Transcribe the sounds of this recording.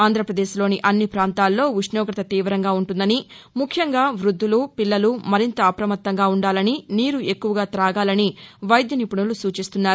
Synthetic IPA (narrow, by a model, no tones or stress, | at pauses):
aːnd̪ʱɾɐpɾɐd̪eːʃlo̞ːniʔɐnːipɾaːnt̪aːlːo̞ːʋiʂnɔːɡɾɐt̪ɐt̪iːʋɾɐŋɡaːuɳʈund̪ɐni | mukʰjɐŋɡaːʋɾud̪ʱːulupilːɐlumɐɾint̪ɐːpɾɐmɐt̪ːɐŋɡaːuɳɖaːlɐniniːɾue̞kːuʋɐɡaːt̪ɾaːɡaːlɐniʋɐjd̪jɐnipuɳulusuːt͡ʃist̪unːaːɾu